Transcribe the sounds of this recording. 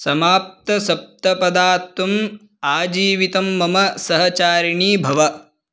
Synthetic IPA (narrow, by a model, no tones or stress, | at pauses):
sɐmaːp̚t̪ɐsɐp̚t̪ɐpɐd̪aːɾt̪wɐm | aːd͡ʒiːʋit̪ɐmːɐmɐsɐɦɐt͡ʃaːɾiɳiːbʱɐʋɐ